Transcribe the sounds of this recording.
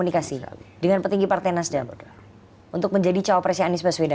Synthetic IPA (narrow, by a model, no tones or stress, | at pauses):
unikasila̰dəŋanpət̪iŋɡipart̪ajnasda | unt̪ʊk̚məɲd͡ʒadit͡ʃawapɾasianɪsbəsweda